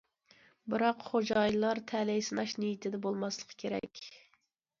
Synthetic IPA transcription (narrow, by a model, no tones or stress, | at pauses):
bɨɾɑqχod͡ʒɑjlˠɑɾt̪ʰɛlɛjsɨnɑʃnijit̪ʰɪd̪ɛbolˠmɑslˠəqʰə̥kʲʰeɾɛ̰kʲ